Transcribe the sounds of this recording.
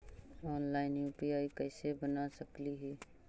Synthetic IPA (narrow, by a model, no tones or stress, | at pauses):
ɔːnlaːɪnjuːpiaːikɛːsebənasəkliɦɛː